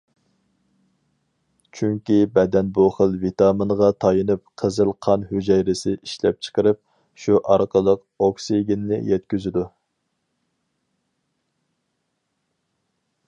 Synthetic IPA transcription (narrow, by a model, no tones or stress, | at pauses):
t͡ʃʰyŋkʲibɛd̪ɛnbuχəlˠvit̪ɑmɨnʁɑt̪ʰɑjɨnɨp̚qʰəzɨlˠqʰɑnhød͡ʒɛjɾɪsɪʔiʃlɛ̰p̚t͡ʃʰə̥qəɾɨp̚ | ʃuʔɑɾqəlˠəq | oksiɡʲinːɪ̰jɛt̪kʲyzɪd̪u